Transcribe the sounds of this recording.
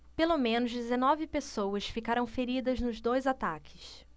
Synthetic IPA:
pelomẽnʊzd̪ezenɔvɪpesowɐsfikaɾɐ̃w̃feɾid̪ɐznʊzd̪ojzat̪akʰɪ̥s

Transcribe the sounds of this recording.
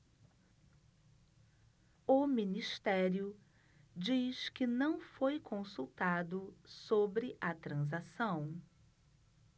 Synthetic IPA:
ʊmĩnist̪ɛɾjʊ | d͡ʒiskɪnɐ̃w̃fojkʰõsut̪ad̪ʊsobɾɪʔɐt̪ɾɐ̃zasɐ̃w̃

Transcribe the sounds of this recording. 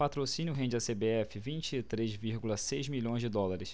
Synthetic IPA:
pat̪ɾosĩnjʊɦẽd͡ʒɪɐsebeɛfɪvĩnt͡ʃɪt̪ɾezviɾɡulɐsejzmiʎõj̃zd͡ʒɪd̪ɔlaɾɪs

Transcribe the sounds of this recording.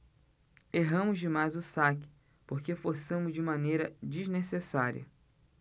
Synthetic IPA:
eɦɐ̃mʊzd͡ʒɪmajzʊsakɪ̥ | poɾkefoɾsɐ̃mʊzd͡ʒɪmɐ̃nejɾɐd͡ʒiznesesaɾḭɐ̰

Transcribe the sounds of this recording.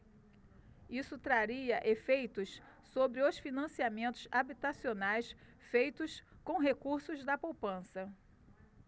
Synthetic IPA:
isʊt̪ɾaɾiɐʔefejt̪ʊs | sobɾɪʊsfinɐ̃siamẽnt̪ʊzabit̪asionajs | fejt̪ʊskõw̃ɦekuɾsʊzd̪ɐpowpɐ̃sɐ

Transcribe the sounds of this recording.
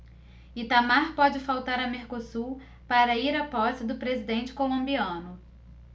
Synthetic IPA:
it̪amaɾpɔd͡ʒɪfawt̪aɾɐmeɾkosu | paɾɐiɾɐpɔsɪd̪ʊpɾezid̪ẽnt͡ʃɪ̥kolõmbiɐ̃nʊ

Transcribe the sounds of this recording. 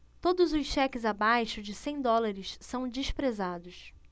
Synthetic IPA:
t̪od̪ʊzʊʃʃɛkɪzabajʃʊd͡ʒɪsẽj̃d̪ɔlaɾɪʃsɐ̃w̃d͡ʒɪʃpɾezad̪ʊʃ

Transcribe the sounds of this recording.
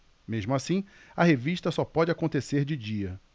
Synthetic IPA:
meʒmʊasĩ | ɐheviʃt̪ɐsɔpɔd͡ʒɪakõnt̪eseɾd͡ʒɪd͡ʒiɐ

